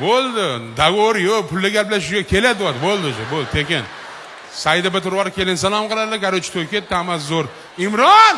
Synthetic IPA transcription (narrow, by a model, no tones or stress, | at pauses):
bolˠd̪ɪd̪aɡoɾjopʰʊlːɪɡʲaɾplaʃʊɡʲakʲʰe̞lad̪ɪwad̪ɪbolˠd̪ɪd͡ʒɪbolˠd̪t̪ʰekʲɪn | sajd̪ɪbɪt̪ʊɾwɒɾkʲʰe̞lɪnsalˠɒmqʰɨlˠad̪lakʲaɾot͡ʃʰɪ̥t̪ʰojkʲet̪̚ːɪamas̬zoɾ | ɪmɾɒn